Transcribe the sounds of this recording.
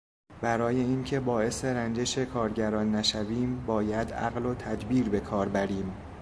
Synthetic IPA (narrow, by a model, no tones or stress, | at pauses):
b̥æɾɒːje̞iːncʰe̞bɒːe̞se̞ɾænd͡ʒe̞ʃe̞kʰɒːɾɟæɾɒːnːæʃæviːmbɒːjæd̪æ̰ɣlo̞t̪ʰæd̪biːɾbe̞kʰɒːɾbæɾiːm